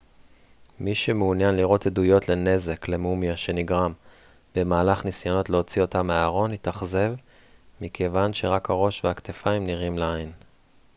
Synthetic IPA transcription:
miʃemeunjanliʁo̞tedujo̞tle̞ne̞ze̞klemumjaʃe̞niɡʁam | b̥e̞maːlaχnisjono̞tleo̞t͡sio̞tameaːʁo̞nit̪aχze̞v | mikʰe̞vanʃe̞ʁakhaʁo̞ʃveakt̪efaimniʁimleain

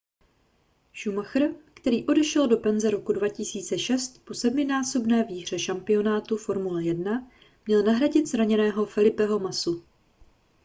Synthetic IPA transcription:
ʃumaxr̩kt̪ɛɾiːʔo̞dɛʃɛldo̞pɛnzɛɾo̞kudvacɪsiːt͡sɛʃɛst̪po̞sɛdmɪnaːso̞bnɛːviːɦr̝̥ɛʃampɪo̞naːt̪ufo̞ɾmulɛjɛdna | mɲɛlnaɦɾaɟɪt̪zɾaɲɛnɛːɦo̞fɛlɪpɛɦo̞masu

